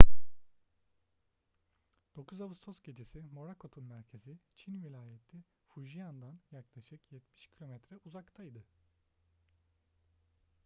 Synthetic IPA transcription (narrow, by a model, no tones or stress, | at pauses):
d̪̥o̞kʰuzavɯst̪ʰo̞sɟʲe̞d͡ʒesimo̞ɾakʰo̞t̪ʰunmæɾcʰe̞zit͡ʃʰinvilʲaːjet̪ʰːi | fuʒijand̪anjaklˠaʃɯkjɛt̪mi̥ʃcʰilʲo̞mɛt̪ɾɛʔuzakt̪ʰajd̪ɯ